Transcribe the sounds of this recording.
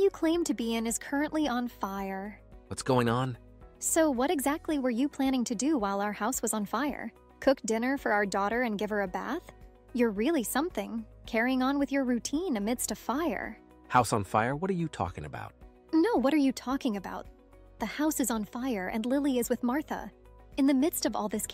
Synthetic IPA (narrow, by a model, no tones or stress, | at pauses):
jɨkʰl̥ẽɪ̃mtʰɨbiɨ̃nɨz̥kʰɜ˞ɨ̃nʔliʔə̃nfaɪə˞wʌtsɡ̥oʊɪ̃ŋə̃n | soʊwʌɾɨɡzæk̚tʰˡliwə˞jɨpʰl̥æ̃ɾ̃ɪ̃ŋtʰɨdɨwaɪlˠaʊə˞haʊswʌzn̩faɪə̰˞ | kʰʊk̚d̥ɪ̃nə˞fə˞aʊə˞dɔɾə˞ɨ̃nɡɪv̥ə˞ɨbæ̰θ | jə˞ɹɪlˠisʌ̃mθɪ̃ŋkʰɛɹiɪ̃ŋə̃nwɨðjə˞ɹʉtʰĩnɨmɪd̥stʌv̥faɪə̰˞ | haʊsn̩faɪə˞wʌɾə˞jɨtʰɔ̰kɪ̰̃ŋɨ̰ba̰ʊt̚ | noʊwʌɾə˞jɨtʰɔkɪ̃ŋɨba̰ʊt̪̚ | ðɨhaʊsɨzn̩faɪə˞ʔɨ̰̃nlɪlˠiɨzwɨðmɑɹθə̰ | ɨ̃nðɨmɪd̥stʌvɔ̰lˠðɪs